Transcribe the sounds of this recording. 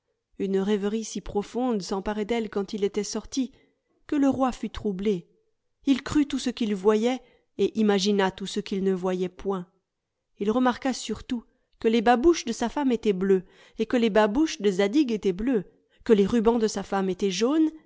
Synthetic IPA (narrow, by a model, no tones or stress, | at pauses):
ynʁɛvʁisipχɔfɔ̃d̪sɑ̃paʁɛd̪ɛlkɑ̃t̪ilet̪ɛsɔʁt̪i | kələʁwafyt̪χuble | ilkχyt̪usəkilvwajɛ | eʔimaʒinat̪usəkʲilnəvwajɛpwɛ̃ | ilʁəmaʁkasyʁt̪u | kəlebabuʃd̪əsafamet̪ɛblø | ekəlebabuʃd̪əzad̪iɡet̪ɛblø | kəleʁybɑ̃d̪əsafamet̪ɛʒon